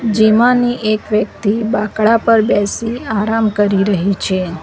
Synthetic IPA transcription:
d͡ʒimãniʔekʋjək̚t̪ibakɭapəɾbɛsiaɾamkəɾiɾəɦit͡ʃʰe

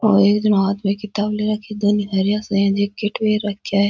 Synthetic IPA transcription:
o̰ːeːkd͡ʒɐmaːt̪mẽkɪt̪aːbleɾɐkʰed̪oniɦɐɾjãsẽd͡ʒekɪʈʋeːɾɐkʰjaɦe

